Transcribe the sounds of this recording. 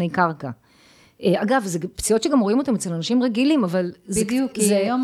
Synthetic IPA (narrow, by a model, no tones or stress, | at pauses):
ejkaʁka | ʔeaɡavzept͡siotʃeɡamʁoimo̞t̪amet͡selanaʃimʁeɡilimavalzejuzjo